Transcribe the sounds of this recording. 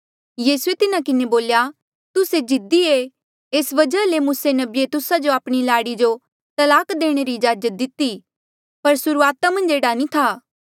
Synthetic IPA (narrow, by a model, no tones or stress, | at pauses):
jiːsuet̪ɪnakɪneboːlja | t̪ʊsed͡ʒɪd̪ie | eːsʋɐd͡ʒəlemuːsenɐbiet̪ʊsad͡ʒoaːpɽ̃ilaːɽid͡ʒo | t̪ɐlaːkd̪eːɽ̃eɾid͡ʒaːd͡ʒət̪̚d̪ɪt̪i | pɐɾsʊɾuaːt̪amɐ̃nd͡ʒeːɽanĩt̪ʰaː